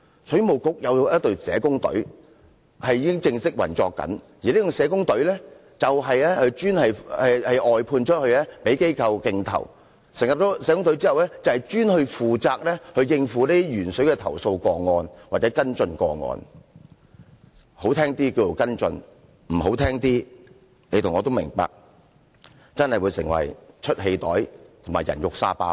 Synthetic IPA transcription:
sjy˨mo˨wkʊ˥k̚jɐ˨˧wjɐ˥t̚t̪ɵ˧sɛ̰ː˨˧kʊ˥ŋt̪ɵ̰˨˥ɥ | hɐ˨jiː˧kɪ˥ŋt͡sɪ˧ŋsɪ˥k̚wɐ̰˨˩nt͡ʃɔ̰ː˧kːɐ̰˨˥njiː˨neː˥jʊ˨˧ŋsɛː˨˧kʊ˥ŋt̪ɵ˨˥ɥlɛː˥ | t͡sɐ˨wɦɐ˨jlɛː˥hɵ˧ɥt͡ʃyː˥nhɐ˨jhɐ˨jʔɔː˨jpʰuː˧nt͡ʃʰə˥t̚hɵ˧ɥlɛː˥pe˨˥jke˥jkʰɐ˧wkɪ˧ŋt̪ʰɐ̰˨˩w | sɪ˨˩ŋjɐ˨p̚t͡ʃɔː˨˥sɛː˨˧˥kʊ˥ŋt̪ɵ˨˥ɥt͡siː˥hɐ˨wlɛː˥t͡sɐ˨˧whɐ˨jt͡ʃyː˥nhɵ˧fuː˨t͡saː˧k̚lɛː˥hɵ˧ɥjɪ˧ŋfuː˨˥neː˥i˥ɥyː˨˩nsɵ˨˥kɛː˧t̪ʰɐ˨˩wso˧wkɔː˧ŋɔː˧nwaː˨t͡sɛː˨˥kɐ˥nt͡sɵ˧nkɔ̰ː˧ŋɔ̰ː˧n | ho˨˥wt̪ʰɛː˥ŋt̪iː˥ki˧t͡so˨˧wkɐ˥nt͡sɵ˧n | m̩˨˩ɦo˨˥wt̪ʰɛː˥ŋt̪iː˥ | ne˨˧t̪ʰʊ˨˩ŋɔː˧t̪mɪ̰˨˩ŋpa̰ː˨k̚ | t͡sɐ˥nhɐ˨jwuː˨˧jsɪ̰˨˩ŋwɐ̰˨˩jt͡ʃʰɵ˥t̚ɦe˨˧jt̪ɔ̰ː˨˥jt̪ʰʊ˨˩maː˨˩jɐ̰˨˩njʊ˨k̚sa̰ː˧pa̰ː˧

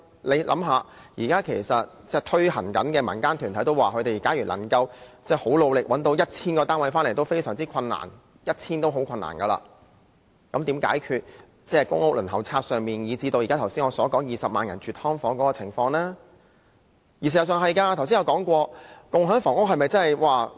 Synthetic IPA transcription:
le˨˧jlʔɐ̰˨˥mɦaː˨˧jiː˨˩kaː˥kʰe˨˩jsɐ˨t̚t͡sɛ˥t̪ʰɵ˥hɐ˨˩nkɐ˨˥nkɛː˧mɐ̰˨˩nkaː˥nt̪ʰyː˨˩nʰɐ˨˥jt̪o˥waː˨kʰɵ˨˧t̪e˨˩jkaː˨˥jyː˨˩lʔɐ̰˨˩ŋkɐ˧wt͡sɛː˥˩ho˨˥wlo˨˧wlɪ˨k̚wɐ˨˥nt̪o˨˧wjɐ˥t̚t͡sʰiː˥nkɔː˧t̪aː˥nwɐ˨˧jfaː˥nle˨˩t̪o˥wfe˥jsœː˨˩ŋt͡siː˥kʰɐ˧nːa̰ː˨˩n | jɐ˥t̚t͡sʰiː˥nt̪o˥wɦo˨˥wkʰɐ˧nːa̰ː˨˩nkɐ˧la̰ː˧ | kɐ˨˥mt̪iː˨˥mka̰ː˨˥jkʰyː˧t̚ | t͡sɛː˥kʊ˥ŋʊ˥lɵ˨˩nhɐ˨˩wt͡sʰaː˧t̚sœː˨˧ŋmiː˨˩njiː˨˧t͡si˧t̪o˧wji˨kaː˥t̪ʰwsiː˥ŋɔː˨˧sɔː˨˥kɔː˨˥ŋjiː˨˧sɐ˨p̚maː˨njɐ˨˩nt͡ʃyː˨t̚hɔː˥ŋfɔː˨˥ŋkɔː˨˥kɔː˧t͡sʰɪ˨˩ŋfɔː˧ŋlɛː˥ | jiː˨˩siː˨˧jɐ˨˩sœː˨˧ŋɦɐ˨˧jkaː˧t̪ʰwsi˥jɐ˨˧wkɔː˨˥ŋkʷɔː˧kʊ˨˧ŋɦœː˨˥ŋfɔː˨˩ŋʊ˥k̚hɐ˨jmɐ˨jt͡sɐ˥nɐ˨jwaː˨

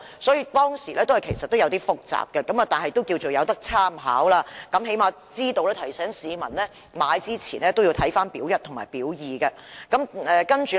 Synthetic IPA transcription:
sɔː˨˥jiː˨˧˥t̪ɔː˥ŋsiː˨˩lɛː˥t̪o˥whɐ˨jkʰe˨˩jsɐ˨t̪̚ːo˥wjɐ˨˧wt̪iː˥fʊ˨k̚t͡sa̰ː˨p̚kɛ˧kɐ˨˥mɐː˨˩t̪aː˨nɦɐ˨jt̪o˥wki˧wt͡so˨wjɐ˨˧wt̪ɐ˥k̚t͡sʰaː˥mɦa̰ː˨˥wlaː˧kɐ˨˥mɦe˨˥jmaː˨˧ | t͡siː˥t̪o˧wlɛː˥t̪ʰɐ˨˩jsɛː˨˥ŋsiː˨˧mɐ˨˩nlɛː˥ | maː˨˧jt͡siː˥t͡sʰḭː˨˩nlɛː˥t̪o˥wji˧wt̪ʰɐ˨˥jfaː˥npiː˨˥wjɐ˥t̚tʰʊ˨˩ŋmaː˨˩jpiː˨˥wjiː˨kɐ˧ | kɐ˨˥mɛː˨kɐ˥nt͡ʃy˨

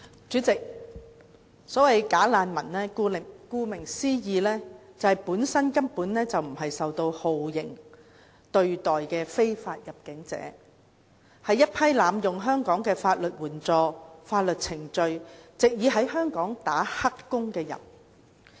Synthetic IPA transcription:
t͡ʃy˨˥t͡sɪ˨k̚ | sɔː˨˥wɐ˨jkaː˨˥laː˨˧nmɐ˨˩nlɛː˥˧˨kuː˧mɪ˨˩ŋsiː˥jiː˨˧lɛː˥t͡sɐ˨whɐ˨˩jpuː˨˥nsɐ˥nkɐ˥mpuː˨˥nlɛː˥t͡sɐ˨wm̩˨˩ɦɐ˨jsɐ˨wt̪o˧who˨wjɪ̰˨˩ŋ | t̪ɵ˧ɥt̪ɔː˨jkɛː˧fe˥jfaː˧t̚jɐ˨p̚kɪ˨˥ŋt͡sɛ̰ː˨˥ | hɐ˨jːɐ˥t̚pʰɐ˥jlaː˨˧mjʊ˨˩ŋɦœː˥ŋkɔː˨˥ŋkɛː˧faː˧t̚lɵ˨t̚wuː˨˩nt͡sɔː˧faː˧t̚lɵ˨t̚t͡sʰɪ˨˩ŋt͡ʃɵ˧ɥt͡sɪ˨k̚jiː˨˥ɦɐ˨˧˥jhœː˥ŋkɔː˨˥ŋt̪aː˨˥hɐ˥kːʊ˥ŋkɛː˧jɐ̰˨˩n

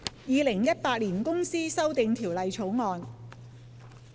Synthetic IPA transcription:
jiː˨˧lɪ˨˩ŋjɐ˥t̚paː˧t̚liː˨˩nkʊ˥ŋsiː˥sɐ˥wt̪ɪ˧ŋt̪ʰiː˨˩wlɐ˨jt͡sʰo˨˥wŋɔː˨˧n

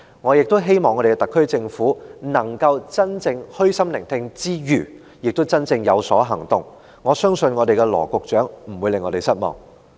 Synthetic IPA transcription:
ŋɔː˨˧jɪ˨k̚t̪ɦe˥jmɔː˨ŋːɔ˨˧ɾe˨˩kɛt̪ɐ˨kʰːɵ˥ɥt͡sɪ˧ŋfuː˨˥nɐ˨˩ŋkɐ˧wt͡sɐ˥nt͡sɪ˧ŋhɵ˥ɥsɐ˥mlɪ̰˨˩ŋt̪ʰɪ˧ŋt͡siː˥jyː˨˩ | jɪ˨k̚t̪wt͡sɐ˥nt͡sɪ˧ŋjɐ˨˧wsɔː˨˥ɦɐ˨˩ŋt̪ʊ˨ŋ | ŋɔː˨˧sœː˥ŋsɵ˧nŋɔ˨˧t̪e˨kɛ˧lɔ̰ː˨˩kʊ˨k̚t͡ʃœː˨˥ŋm̩˨˩wuː˨˧jlɪ˨ŋːɔː˨˧t̪e˨jsɐ˥t̚mɔ̰ː˨˩ŋ

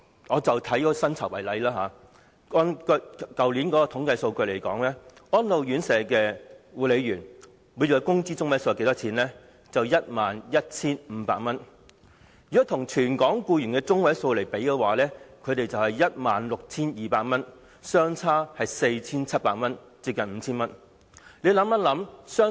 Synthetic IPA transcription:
ŋɔː˨˧t͡sɐ˨wt̪ʰɐ˨˥jkɔː˨˥˧sɐ˥nt͡sʰɐ˨˩wɐ˨˩jlɐ˨˥jlaː˥ɦaː˨˧ | kɔ˨˧˥nkkɐ˨wliː˨˥nkɔː˨˥kɔː˧t̪ʰʊ˨˥ŋkɐ˧jso˧wkɵ˧ɥle˨˩jkɔ̰ː˨˥ŋlɛː˥ɔː˥nlo˨wjyː˨˥nsɛː˨˧kɛː˧wuː˨˧le˨˧jɥyː˨˩n | wu˨˧jt͡ʃɔː˨˧˥kʊ˥ŋt͡siː˥t͡sʊ˥ŋwɐ˨˥jso˧˨ke˨˥t̪ɔː˥t͡sʰiː˨˥nlɛː˥ | t͡sɐ˨wjɐ˥t̚maː˨njɐ˥t̚t͡sʰiː˥nm̩ː˨˧˦paː˧k̚mɐ˥n | jy˨ɔ˥t̪ʰʊ˨˩ŋt͡ʃʰyː˨˩nkɔː˨˥ŋkuː˧jyː˨˩nkɛː˧t͡sʊ˥ŋwɐ˨˥jso˧wle˨˩jpe˨˥jkɛː˧waː˨˦lɛː˥kʰɵ˨˧t̪e˨jt͡sɐ˨whɐ˨jjɐ˥t̚maː˨nlʊ˨k̚t͡sʰiː˥njiː˨paː˧k̚mɐ˥n | sœː˥ŋt͡sʰaː˥hɐ˨jse˧jt͡sʰiː˥nt͡sʰɐ˥t̚pa̰ː˧˥k̚mɐ˥n | t͡siː˧p̚kɐ˨nm̩ː˨˧t͡sʰiː˥nmɐ˥n | le˨˧˥lɐ˨˧˥mːɐ˥nlɐ˨˥msœː˥

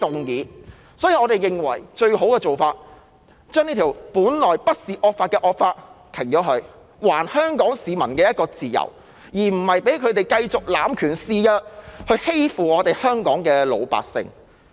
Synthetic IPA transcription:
t̪ʊ˨ŋjiː˨˥ | sɔː˨˥jiː˨˧ŋɔː˨˧ɾe˨jjɪ˨ŋwɐ̰˨˩jt͡ʃɵ˧ɥho˨˥wkɛː˧t͡so˨wfaː˧t̚ | t͡ʃœː˥ŋi˥t̪ʰi˨˩wpuː˨˥nlɔː˨˩jpɐ˥t̚siː˨ʔɔː˧k̚faː˧t̚kɛː˧ʔɔː˧k̚faː˧t̚t̪ʰɪ˨˩ŋt͡ʃɔː˨˥ɦɵ˧ɥ | waː˨˩nhœː˥ŋkɔː˨˥ŋsiː˨˧mɐ˨˩nkɛː˧jɐ˥t̚kɔː˧t͡siː˨˩jɐ̰˨˩w | jiː˨˩m̩˨˩hɐ˨jpe˨˥jkʰɵ˨˧t̪e˨˩jkɐ˧jt͡sʊ˨k̚laː˨˥mkʰyː˨˩nsiː˧jɐ˥t̚hɵ˧ɥhe˥jfuː˨˩ŋɔː˨˧t̪e˨jhœː˥ŋkɔː˨˥ŋkɛː˧lo̰˨˧wpa̰ː˨k̚sɪ̰˧ŋ

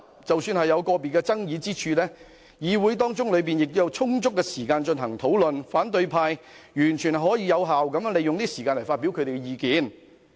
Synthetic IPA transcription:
t͡sɐ˨wsyː˧nhɐ˨jːɐ˨˧wkɔː˧piː˨kɛː˧t͡sɐ˥ŋjiː˨˧t͡siː˥t͡ʃʰyː˧lɛː˥ | jiː˨˧wu˨˥jt̪ɔː˥ŋt͡sʊ˥ŋlɵ˨˧ɥp̬iː˨˩njɪ˨k̚t̪ʊ˥jɐ˨˧wt͡sʰʊ˥ŋt͡sʊ˥kːɛː˧siː˨˩kaː˧nt͡ʃɵ˧nɦɐ˨˩ŋt̪ʰo˨˥wlɵ˨nfaː˨˥nt̪ɵ˧ɥpʰaː˧j | jyː˨˩nt͡ʃʰyː˨˩nɦɔː˨˥jiː˨˧jɐ˨˧wɦaː˨wkɐ˨˥mjnle˨jʊ˨ŋniː˥siː˨˩kaː˧nlɐ˨˩faː˧t̚pi˨˥wkʰɵ˨˧ɾe˨˩ɡɛ˧jiː˨˧kiː˨˧n

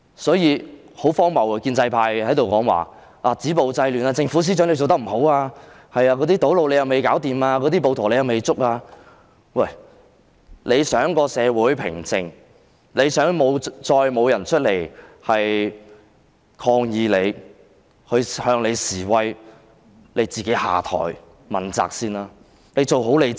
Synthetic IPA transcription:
sɔː˨˥jiː˨˧ | ho˨˥wfɔː˥ŋmɐ˨˩wkiː˧nt͡sɐ˧jpʰaː˧jhɐ˨˥jt̪o˨wkɔː˨˥ŋwa̰ː˨ | ʔaː˧˩t͡siː˨˥po˨wt͡sɐ˧jlyː˨˩naː˧t͡sɪ˧ŋfu˨˥s̬iː˥t͡ʃœː˨˥ŋle˧jt͡so˨wt̪ɐ˥m̩˨˩ho˨˥waː˧ | hɐ˨jaː˧kɔ˨˧t̪iː˥t̪o˨˥wlo˨˧wle˨˧jɐ˨wme˨jkaː˨˥wt̪iː˨maː˧kɔː˨˥t̪iː˥p̬o˨˧wt̪ʰoː˨˩le˨˧jɐ˨wme˨jt͡sʊ˥k̚aː˧ | wɐ˥˩j | le˨˧jsœː˨˥ŋkɔː˧sɛː˨˧wuː˨˥jpʰɪ̰˨˩ŋt͡sɪ˨ŋ | le˨˧jsœː˨˥ŋmo˨˧wt͡sɔː˧jmo˨˧wjɐ˨˩nt͡ʃʰɵ˥t̚le˨˩jhɐ˨j | kʰɔː˧ŋjiː˨˧le˨˧j | hɵ˧ɥhœː˧ŋle˨˧jsiː˨˩wɐ˧j | le˨˧jt͡siː˨ke˨˥jha̰ː˨t̪ʰɔ̰ː˨˩j | mɐ˨˩nt͡sa̰ː˨k̚siː˧˥naː˧ | le˨˧jt͡so˨wɦo˨˥wle˨˧

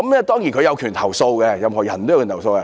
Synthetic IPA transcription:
kɐ˨˦mnɛː˥˩t̪ɔː˥ŋji˨nkʰjɐ˨˧wkʰyː˨˩nt̪ʰɐ˨˩wso˧wkɛ˧jɐ˧mhɔː˨˩jɐ˨˩nt̪o˥jkʰyː˨˩˨so˧wkɛ˧

